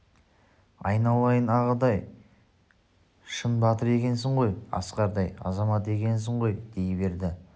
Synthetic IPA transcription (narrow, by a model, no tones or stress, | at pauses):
ɑjnɑlˠɑjənɑʁəd̪ɑj | ʃənbɑt̪əɾe̞kʲe̞ns̬ɪɴʁo̞jɑ̰sqɑɾd̪ɑjɑ̰zɑmɑt̪e̞kʲe̞ns̬ɪɴʁo̞jd̪̥e̞jɪbe̞ɾd̪ɪ